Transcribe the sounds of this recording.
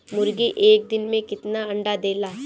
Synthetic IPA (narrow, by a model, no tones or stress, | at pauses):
mʊɾɡiʔeːk̚d̪ɪnmẽkɪt̪naɐ̃ɳɖad̪eːlaː